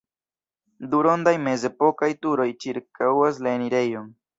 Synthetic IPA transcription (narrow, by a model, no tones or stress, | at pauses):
duɾo̞ndajme̞ze̞po̞kajtuɾo̞jt͡ʃiɾkawas̬laeniɾe̞jo̞n